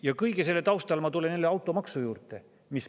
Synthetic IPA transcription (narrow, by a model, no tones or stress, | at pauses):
jɑkɤjɡ̥es̬e̞lːet̪ɑwst̪ɑlmɑt̪ulenelːeɑwt̪ːˑo̞mɑksujuːrt̪ˑe̞ | mis